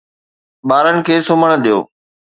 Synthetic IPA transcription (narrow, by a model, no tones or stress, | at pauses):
ɓaːɾənɪ̆kʰeːsʊməɽ̃ɗijo̰ː